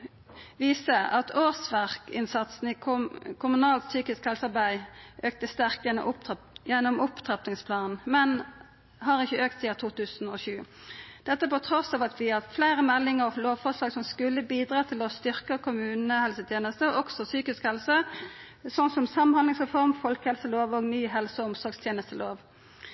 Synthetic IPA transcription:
ʋiːsəɑt̪ʰoːsʋæʁkɪnsɑt̪sn̩ɪkʰʊmʉnɑːlt̪syːkɪskhɛlsəɑʁbæɪʔøːk̚t̪əst̪æʁkt̪jɛnːɔ̰ʔʊp | jɛnːɔmʊpt̪ʰʁɑpnɪŋspʰlɑːnn̩mɛn | ɦɑʁɪçːəøːk̚t̪siːɑt̪ʰuːt̪ʉːsnɔʃʉː | d̪̥ɛt̪ːəpɔt̪ʰɾɔsɑːʋɑt̪ʋɪɑflæɪɾəmɛlːɪŋəʁloːʋfɔʁʂlɑːɡsɔmskʉlːəbiːd̪ʁɑːt̪ʰɪlɔst̪ʏʁkəkʰʊmʉːnəhɛlsət̪ʰjeːnəst̪əʔɔɡsɔsyːkɪskhɛlsə | sɔnsɔmsɑmɑnhɑnɪŋsʁɛfɔʁmfɔlkəhɛlsəloːʋɔɡnyːɦɛlsəɔɔmsɔɾɡst̪ʰjeːnəst̪əloːʋ

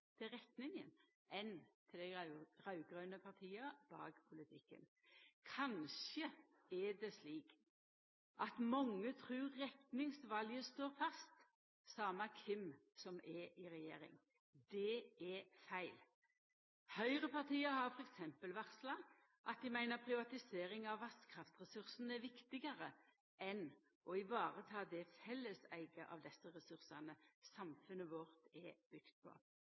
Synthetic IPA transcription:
t̪ʰɪlɾɛt̪nɪŋən | ʔɛnt̪ʰɪlæɪʁɑʉɡʁøːnəpʰɑʁt̪ʰiːəbɑ̰ːɡpʰʊlɪt̪ʰɪkːə̰n | kʰɑnʃə | ɛd̪ɛsliːk | ʔɑt̪mɔŋːət̪ʰɾʉːɛt̪nɪŋsʋɑljəst̪oːɾfɑst̪ | sɑːmɑkʰɪmsɔmʔɛɪʁɛjḛːɾɪ̰ŋ | d̪ɛɛfæɪl | hœʏʁəpɑʁt̪iːəɾhɑʁfɔɾɛksɛmpəlʋæʁslɑ | ʔɑt̪̚d̪ɪmæɪnəpʰʁɪʋɑt̪ɪseːɾɪŋɑʋːɑskʰɾɑft̪ʁɛsʉɾsn̩ɛʋɪkt̪ɪɡəɾə | ʔɛn | ʔɔɪʋɑːʁət̪ʰɑːd̪ɛfɛlːəsæɪɡəʔɑ̰ʋd̪ɛsːəʁɛsʉʁsɑnəsɑmfʉnəʋɔʁt̪ɛb̥ʏɡ̥t̪̚pʰɔ̰

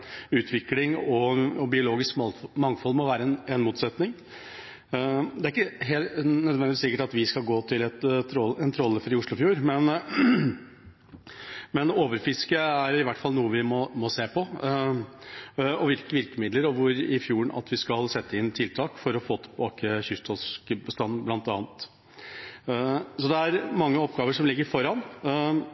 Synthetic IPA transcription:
ʉːt̪ʰʋɪklɪŋɔbɪʊloːɡɪskmɑŋfɔlːmɔʋæːɾəɛnɛnmuːt̪sɛt̪nɪŋ | d̪ɛæɾɪkːəɦeːlt̪nœd̪ʋɛnd̪ɪʋɪsɪkːəʈɑt̪ʋɪskɑlɡoːt̪ʰɪlɛt̪t̪ɔɛnt̪ʰɾɔlːəfɔɾɪʊʂɭʊfjuːɾmɛn | mɛnoːʋəɾfɪskəæɾɪʋæʈːfɑlnuːəʋɪmɔmɔseːpʰɔ | ɔʋɪlkəʋɪɾkəmɪd̪ləɾɔʋʊɾɪfjuːɳɑ̰t̪ʋɪskɑlsɛt̪ʰːəɪnt̪ʰɪlt̪ʰɑːkfɔɾɔfoːt̪ʰə̥bɑːkəçʏst̪ʰɔskəbəst̪ɑnːblɑnt̪ɑːnət̪ | sɔd̪ɛæɾmɑŋːəɔpɡɑːʋəʂɔmlɪɡːəɾfɔɾɑn

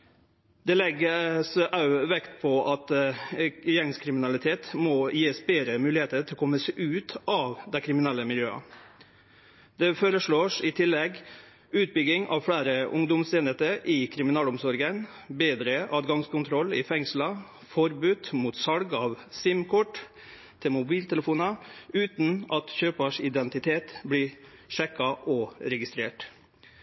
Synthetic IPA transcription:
d̪ɛlɛɡːəsʔɑʉʋɛkt̪pʰɔʔɑt̪ | jɛŋskʰɾɪmɪnɑlɪt̪ʰeːt̪mɔjeːsbeːɾəmʉːlɪheːt̪əɾt̪ʰɪlkʰɔmːəseʔʉːt̪ʔɑːʋd̪æɪkʰɾɪmɪnɛlːəmɪljøːɑ̰ | d̪ɛføːɾəʂɭoːʂɪt̪ʰɪlːɛɡ | ʉːt̪̚bʏɡɪŋɑ̰ʋfɽæːɾəʔʊŋd̪ʊmseːnət̪əʔɪkʰɾɪmɪnɑːlɔmsɔɾɡən | beːd̪ɾəʔɑːd̪ɡɑŋskʊnt̪ʰɾɔlːɪfɛŋslɑ | fɔɾbʉːt̪muːt̪sɑlɡɑːʋsɪmkʰɔʈː | t̪ʰɪlmʊbiːlt̪ʰɛləfuːnɑʉːt̪nɑt̪çøːpəʂɪd̪ɛnt̪ɪt̪ʰeːt̪bliːʂɛkːɑʔɔɾɛɡɪst̪ɾeːʈ

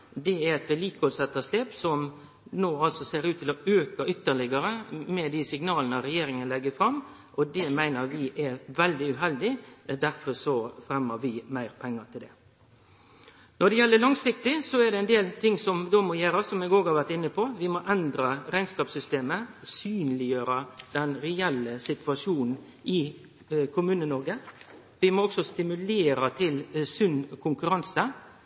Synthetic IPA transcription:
d̪ɛæɾɛt̪ʋɪliːkɔlsɛt̪ːəsleːpsɔm | noːɑlsɔseːɾʉːt̪ʰɪlɔøːkəʏt̪ːəɭɪɡəɾəmɛd̪ɪsɪŋnɑːlənəɾɛjeːɾɪŋənəlɛɡːəfɾɑmː | ʔɔd̪ɛmæɪnəɾʋɪʔɛʋɛld̪ɪʉɦɛld̪ɪd̪æɾfɔɾsɔfɾɛmːəʋɪmæɪɾpʰɛŋːɑt̪ʰɪld̪ɛ | nɔɖ̪ɛjɛlːəlɑŋsɪk̚t̪ɪsɔɛɖ̪ɛɛnd̪eːlt̪ʰɪŋːsɔmd̪oːmojæːɾɑsɔmɛɡoːɡhɑɾʋæɾʈ̪ɪnːəpʰɔʋɪmoʔɛnd̪ɾɑɾæɪnskɑːpsʏst̪eːməsyːnlɪjøːɾəd̪̥ɛnɾɛɛlːəsɪt̪ʋʉɑʂuːnn̩ | ɪ | kʰʊmʉːnənɔɾɡə | ʋɪmoːɔksɔst̪ɪmʉleːɾət̪ʰɪlsʉnkʰʊŋkʉɾɑnsə

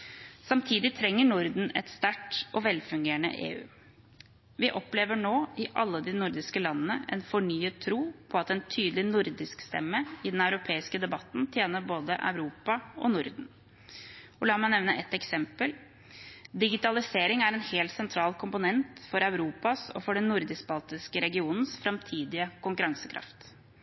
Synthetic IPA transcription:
sɑmt̪ʰiːd̪ɪt̪ʰɾɛŋːəɳʊɾd̪n̩ɛ̰t̪st̪æʈɔʋɛlfʉŋɡeːəɳə̰ʔḛːʉ̰ː | ʋɪʔɔpleːʋəɳoːɪʔɑlːəd̪ɪnʊɾd̪ɪskəlɑnːənəʔɛ̰nfɔɳyːət̪ʰːɾuːpʰɔɑt̪ɛnt̪ʰyːd̪əlɪnʊɾd̪ɪskst̪ɛ̰mːəɪd̪ɛnɑʉɾʊpʰeːɪskəd̪ɛbɑt̪n̩t̪ʰjeːnəɾboːd̪ə̰ʔɑ̰ʉɾuːpɑɔnʊɾd̪n̩ | ɔlɑːmɑɪnɛʋnəʔɛt̪ɛksɛmpəl | d̪ɪɡɪt̪ɑlɪseːɾɪŋæɾɛnheːlt̪sɛnt̪ʰɾɑːlkʰʊmpʊnɛnt̪fɔɾœʉɾuːpɑsɔ̰fɔɖɛnnːʊɾd̪ɪsbɑlt̪ɪskəɾɛɡɪuːnn̩sfɾɑmt̪ʰiːd̪ɪəkʊŋkʉɾɑŋsəkʰɾɑ̰ft̪

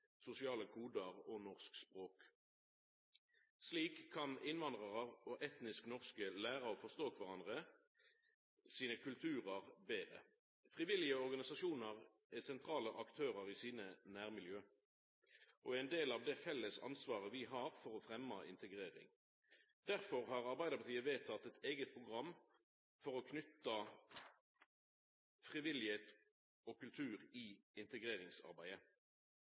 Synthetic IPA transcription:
sʊsɪɑːləkʰuːd̪əʁonɔʁskspʁoːk | sliːkʰːɑnɪnʋɑnd̪ʁɑʁəʁoʔɛt̪nɪsknɔʁskəlæːʁɑɔfɔʁst̪oːkʰʋɑʁɑnd̪ʁə | siːnəkʰʉlt̪ʰʉːʁəʁbeːʁə̰ | fʁɪʋɪlɪəɔʁɡɑnɪsɑʃuːnəʁ | æsɛnt̪ʰʁɑːləʔɑkt̪ʰøːʁəʁiːsiːnənæːʁmɪljøː | ʔɔæɪnd̪eːlɑʋd̪ɛfɛlːəsɑ̰nsʋɑːʁəʋɪɦɑːʁfɔʁɔfʁɛmːɑʔɪ̰nt̪əɡʁeːʁɪ̰ŋ | d̪̥æʁfɔʁhɑːʁɑʁbæɪd̪əpʰɑʁt̪iːəʋeːt̪ʰɑt̪ːɛt̪eːɡət̪̚pʰʁʊɡʁɑmː | fɔʁɔkʰnʏt̪ːɑ | fʁɪʋɪlɪheːt̪ | ɔkʉlt̪ʰʉːʁɪɪnt̪əɡʁeːʁɪŋsɑ̰ʁbæɪə

